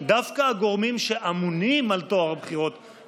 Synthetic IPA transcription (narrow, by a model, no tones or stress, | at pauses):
d̪afkaːɡo̞ʁmimʃe̞ʔamunimalt̪oaʁbχiʁo̞t̪